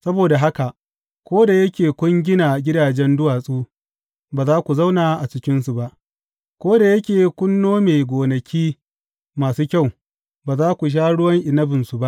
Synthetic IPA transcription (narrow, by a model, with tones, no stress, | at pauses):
sɐ˦boː˨da˨ɦa˦ka˨ʔ | kʷoː˦da˨jɐ˦kʲeː˨kʷʊ˦ŋɡʲɪ˦na˨ɡʲɪ˦daː˨d͡ʒɛ˦ndʊ˦waː˨sʼuː˦ | baː˨zaː˦kʷu˨za˦wnaː˨˦ʔa˨t͡ʃɪ˨kʲɪ˦nsu˨ba˦ʔ | kʷoː˦da˨jɐ˦kʲeː˨kʷʊ˦nːoː˦me˨jɡʷoː˨nɐ˨kʲiː˦ | maː˨suː˦kʲa˦˨w | baː˨zaː˦kʷu˨ʃ̬aː˦ɽʊ˦wɐ˦ŋʔɪ˨nɐ˦bɪ˨nsu˨ba˦ʔ